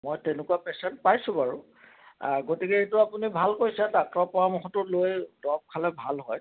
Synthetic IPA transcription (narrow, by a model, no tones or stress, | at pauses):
mojtɛnʊkuapɛsɛntpajsʊ̃baɹʊ̰ | ɡotikeetʊapunibʱalkojsɛdak̚ɹɔpɔɹamɔxɔtʊlojdɔb̚kʰalɛbʱalɦɔj